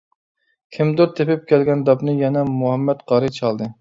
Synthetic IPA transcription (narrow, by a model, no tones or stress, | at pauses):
kʲʰimd̪ʊɾt̪ʰepɪp̚kʲʰɛlɡʲɛnd̪ɑpnɨjɛnɛmuɦɛmːɛt̪qɑɾɨt͡ʃʰɑlˠd̪ɨ